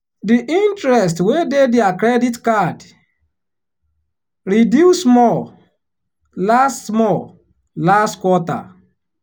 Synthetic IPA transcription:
diʔĩntɹɛs̬twededeakɾɛditkad | ɾidjusmɔ | lastmɔ | lastkwɔta̰

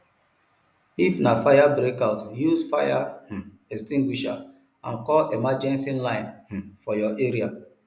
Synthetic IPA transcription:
ifnafajabɾekaʊtjusfaja̰h̩ | ɛstĩŋɡwiʃa̰ | ã̰nkɔlemad͡ʒɛ̃nsĩlãɪ̃nh̩fɔjɔʔeɾia

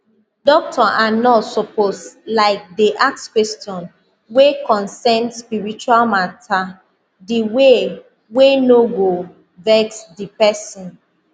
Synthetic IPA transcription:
dɔk̚tʰɔʔanɔtsɔposlaɪk̚diʔakskwɛstiɔ̃n | wekɔ̃nsɛndspiɹit͡ʃualmatʰa | diwe | wenoɡo | vɛksdipɛsɔ̃n

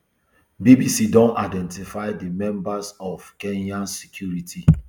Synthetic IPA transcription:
bibisidɔ̃naɪdɛ̃ntifaɪdimɛ̃mbasɔfkɛ̃njãnsɛ̥kʰjuɹitʰi

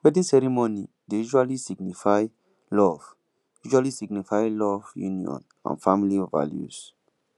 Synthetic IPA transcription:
wɛdĩsɛɾimoni | dejuʃualisiɡnifaj | lɔv | juʃualisiɡnifajlɔvjṵniɔ̰̃n | ã̰nfamiliova̰ljṵs

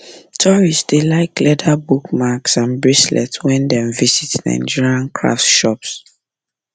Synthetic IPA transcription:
tʰɔɹisdelaɪklɛdabukmaksãnbɹislɛ̰twɛ̃ndɛ̃mvizitnã̰ɪ̃nd͡ʒiɹiãnkʰɹa̰ftʃɔps

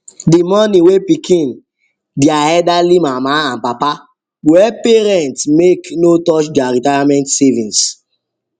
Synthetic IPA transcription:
dimɔniwepikʰĩn | diaɛdalimamaãnpapa | wɛpeɾɛ̃ntsmeknotɔt͡ʃdiaɾitajamɛ̃ntsɛvĩns

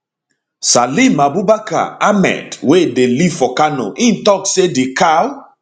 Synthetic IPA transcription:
salimabubaka̰amɛ̰twedeliv̥fɔkano̰ʔĩntɔksedikʰal

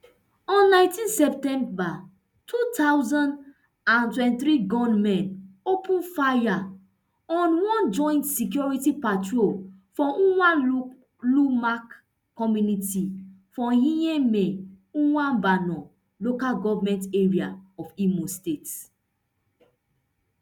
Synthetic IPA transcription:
ɔ̃nːãɪ̃ntĩnsɛp̚tɛ̃mba | tʰutʰawzɔ̃nd | ãntwɛ̃ntiθɾiɡɔ̃nmɛ̃nopʰũnfaja | ɔ̃nwɔ̃nd͡ʒɔ̃j̃ntsik̬jɔɹitipatɹolfɔ̃ʔũwã | lumak | kːɔmjuniti | fɔ̃hĩjẽmɛ̃ | ũwãnbanɔ̃ | lokalɡɔvamɛ̃nteɹia̰ɔfimostet

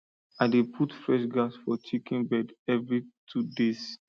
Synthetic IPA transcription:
aɪdepʰutfɹɛʃɡasfɔt͡ʃikĩnbɛdɛvɹitʰudes

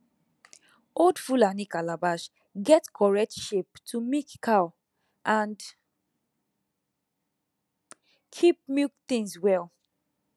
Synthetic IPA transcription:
odfulanikalabaʃ | ɡɛtkʰɔɹɛk̚tʃeptʰumikːʰaʊ | ʔãnd | kʰip̚mikθĩŋswɛl

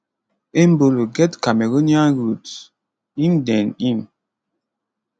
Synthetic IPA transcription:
emboloɡɛtkameɡoniaɡut | indɛnin

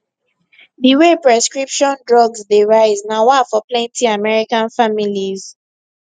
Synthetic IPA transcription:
diwepɹɛskɹipʃɔ̃ndɹɔɡzdeɹaɪznawafɔplɛ̃ntiamɛɹikãnfamiliz

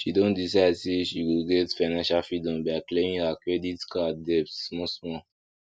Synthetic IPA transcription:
ʃidõndisaɪdsiʃiɡilɡetfaɪnãnʃalfɹidɔ̃mbiaklẽmĩakɹeditkadɛptsmɔsmɔ

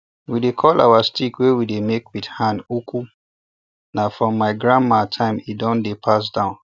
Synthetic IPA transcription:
widekʰɔlʔa̰wastikwewidemekwidhãndukʰu | nafɹɔ̃mːaɪɡɹãnmatʰãɪ̃midɔ̃ndepʰas̬dãʊ̃n

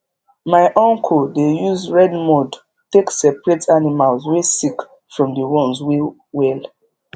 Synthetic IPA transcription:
maɪʔɔ̃ŋkʰoldejuzɹɛdmɔd | teksɛpɹetʰanimalzwesik | fɹɔ̃mdəwɔ̃nzwe | wɛl

